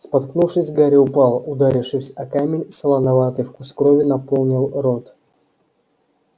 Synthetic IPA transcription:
spɐt̪knufʂɨsʲɡaɾʲɪʊpɑlˠʊd̪aɾʲɪfʂɨsʲɐkamʲɪnʲsəlˠɐnɐvat̪ɨjfkʊskɾovʲɪnɐpo̞lˠnʲɪlˠro̞t̪

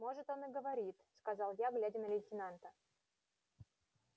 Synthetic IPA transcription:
mo̞ʐɨt̪o̞nɨɡəvɐɾʲit̪skɐzɑlˠjaɡlʲædʲɪnəlʲɪlʲtʲɪnant̪ə

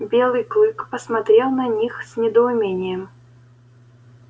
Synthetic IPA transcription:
bʲɛlˠɨjklˠɨkpəsmat̪ɾʲɛlˠnɐnʲixsʲnʲɛd̪əʊmʲenʲɪjɛm

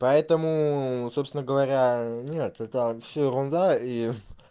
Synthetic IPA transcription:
pɐɛt̪əmʊsopsʲɪnəɡəvɐɾʲanʲet̪ɛt̪əfsʲoɾonzai

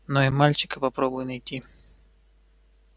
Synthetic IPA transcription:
noɪmalʲt͡ɕɪ̥kəpɐpɾobʊjnɐjt̪ʲi

